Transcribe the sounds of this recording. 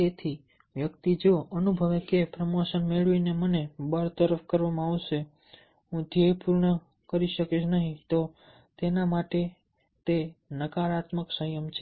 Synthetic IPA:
t̪et̪ʰi | ʋjəkt̪id͡ʒoənubʱəʋekepɾəmoʃənmeɭʋinemənebəɾt̪əɾəfkəɾʋamãaʋʃe | ɦũd̪ʱjejpuɾɳə | kəɾiʃəket͡ʃʰnəɦĩt̪o | t̪enamaʈe | t̪enəkaɾat̪məksəjəmt͡ʃʰe

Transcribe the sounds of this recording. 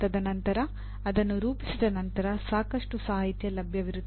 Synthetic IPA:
ɐd̪ɐnɐnt̪ɐɾɐː | d̪ɐnːuɾuːpisid̪ɐnɐnt̪ɐɾɐsaːkɐʂʈusaːɦit̪jɐlɐbʱjɐʋiɾud̪

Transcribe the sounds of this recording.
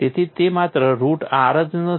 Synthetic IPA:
et̪ʰit̪emat̪ɾəɾuːʈaɾəd͡znə

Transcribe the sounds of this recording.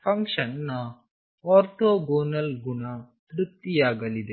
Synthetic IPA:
pʰɐŋkʂɐnːɐ | ɔːɾʈoːɡoːnɐlɡunɐ | t̪ɾuk̚t̪ijaːɡɐlid̪e

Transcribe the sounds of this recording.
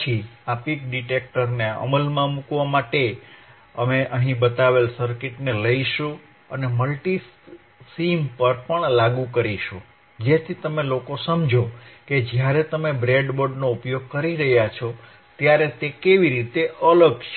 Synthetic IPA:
t͡ʃʰiapikɖiʈek̚ʈəɾneə̰məlmãmukʋamaʈe | əmeʔəɦĩbət̪aʋelsəɾkɪʈneləiʃũ | əneməlʈi | simpəɾpəɳlaɡukəɾiʃõ | d͡ʒet̪ʰit̪əmelokosəmd͡ʒʱoked͡ʒjaɾet̪əmebɾeɖboɾɖnoupjoɡ̚kəɾiɾəɦjat͡ʃʰɔ | t̪jaɾet̪ekeʋiɾit̪eʔələɡt͡ʃʰ

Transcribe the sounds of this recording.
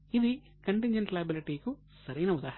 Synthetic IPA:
id̪i | kɐɳʈiɲd͡ʒɐɳʈlɐjɐbiliʈiːku | sɐɾɐjnɐud̪aːɦ

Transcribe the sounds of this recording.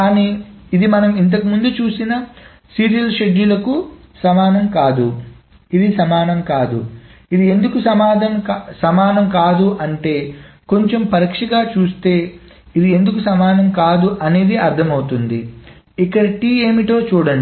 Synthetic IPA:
kaːniːid̪imɐnɐmint̪̬ɐkimund̪ut͡ʃuːsinɐ | siːɾijɐlʃeɖːulɐkusɐmaːnɐmkaːd̪u | id̪isɐmaːnɐmkaːd̪uid̪iend̪ukusɐmaːd̪ʱɐmsɐmaːnɐmkaːd̪uʔɐɳʈe̞ːko̞ɲt͡ʃe̞mpɐɾikʂɐɡaːt͡ʃuːst̪e̞ː | id̪ie̞nd̪ukusɐmaːnɐmkaːd̪uʔɐne̞ːd̪iɐɾt̪ʰɐmɐwut̪und̪i | ikːɐɽɐʈieːmiʈo̞ːt͡ʃuːɽɐɳɖ

